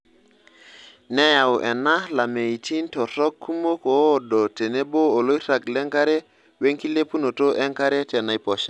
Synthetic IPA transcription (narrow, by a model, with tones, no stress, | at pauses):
ne˦ja˨wʔɛ˨na˦la˨me˨i˨tʰi˦ntɔ˨tɔ˦kʰːu˦mo˦ko˨do˨te˨ne˦boː˦˨lo˦jɾa˨klɛ˦ŋka˦ɾe˦ | we˦ŋki˦le˦pu˦no˨to˦ʔɛ˦ŋka˦ɾe˦te˨na˨jpɔ˨ʃa˦